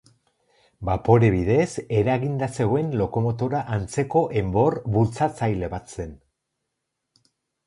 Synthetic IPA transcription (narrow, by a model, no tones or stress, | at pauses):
bapo̞ɾe̞βiðe̞se̞ɾaɣind̪ase̞ɣ̞o̞e̞nlo̞ko̞mo̞t̪o̞ɾaʔant͡se̞ko̞ʔe̞mbo̞rβult͡sat͡sajle̞βat͡se̞n